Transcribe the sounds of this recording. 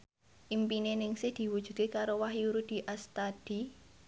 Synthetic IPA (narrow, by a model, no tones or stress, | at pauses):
ʔimpinenɪŋsɪhd̪̥i̤wud̥ʒ̥ṳd̪̚kekaɾowahjuɾud̪̥i̤ʔast̪ad̪̥i̤